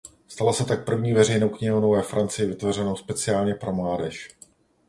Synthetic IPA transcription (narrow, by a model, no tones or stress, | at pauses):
st̪alasɛt̪ak̚pr̩vɲiːvɛrɛjnowkɲɪɦownovɛfɾʔant͡sɪjɪvɪt̪vorɛnowspɛt͡sɪaːlɲɛpɾo̞mlaːdɛʃ